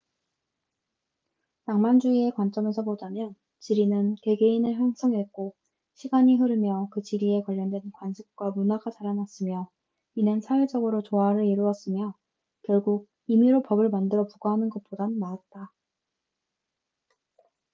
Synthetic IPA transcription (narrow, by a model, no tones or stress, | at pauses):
taŋmand͡ʑuie̞kwant͡ɕ͈ʌme̞sʰʌpodamjʌn | t͡ɕiɾinɯnke̞ɡe̞inɯɭɦjaŋs͈ʰʌŋɦek͈o | ɕʰiɡaɲiɦɯɾɯmjʌkɯt͡ɕiɾie̞kwaʎːʌndwe̞nkwanɕʰik̚k͈wamunaɡat͡ɕaɾanas͈ɯmjʌ | inɯnsʰawe̞d͡ʑʌɡɯɾot͡ɕoaɾɯɾiɾuʌs͈ɯmjʌ | kjʌɭɡuɡ̚ | imiɾopʌbɯɭmandɯɾʌpuɡaɦanɯnɡʌt̚p͈odanaat̚t͈a